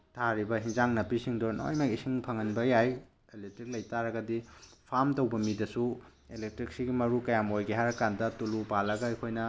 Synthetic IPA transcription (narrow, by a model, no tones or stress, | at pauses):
tʰaɾibɐɦiŋzaŋnɐpisiŋdono̰jmakisiŋpʰɐŋɐnbɐjaj | elek̚tɾik̚lɐjtaɾɐɡɐdipʰamtɐwbɐmidɐsu | elek̚tɾik̚siɡimɐɾukɐjamojɡiɦaɾɐkandɐtulupalɐɡɐɐjkʰojnɐ